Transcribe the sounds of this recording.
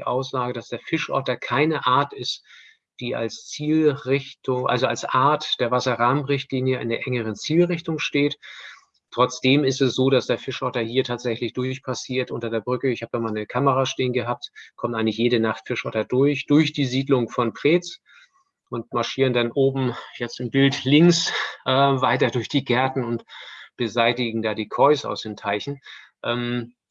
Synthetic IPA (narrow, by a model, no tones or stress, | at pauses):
ʔaʊsz̥aːɡəd̥asd̥eːɐfɪʃʔɔ̰ɐtɐkʰaɪnəʔaːɐtɪst | d̥iːa̰lst͡siːlʁɪçtʊŋʔa̰lzoalsʔaɐtd̥eːɐvasɐʁaːmʁɪçtliːnjəɪ̰ndeːɐʔɛŋəʁ̞ənt͡siːlʁɪçtʊŋʃteːt | tʁ̥ɔt͡sd̥eːmɪstɛsz̥oːdasd̥eːɐfɪʃʔɔɐtɐhiːɐtʰaːtz̥ɛçlɪçd̥ʊɐçpʰasiːɐtʔʊntɐdeːɐbʁʏkəɪçhaːb̚əd̥aːmaːlnəkʰaməʁaːʃteːnɡəɦaːp̚tkʰɔmtaɪɡŋlɪçjeːɾənaχtfɪʃʔɔtɐdʊɐçd̥ʊɐçd̥iːziːdlʊŋfɔnpʁ̥eːt͡s | ʔʊntmaɐʃiːʁəndanʔoːbm̩jɛt͡stɪmbɪltlɪŋsʔɛːvaɪtɐdʊɐçd̥iːɡɛɐtn̩ʊntb̥əzaɪtɪɡŋ̩daːdiːkʰɔʏsa̰ʊsd̥eːntʰaɪçn̩ | ʔɛːm